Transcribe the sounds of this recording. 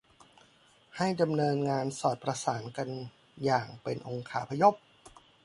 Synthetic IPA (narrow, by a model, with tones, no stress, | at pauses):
ha˥˩jda˧mnɤː˧nŋaː˧nsɔː˨˩t̪̚pɾa˧saː˩˦nka˧n | jaː˨˩ŋpe˧nʔo˧ŋkʰaː˩˦pʰa˧jo˦˥˩p̚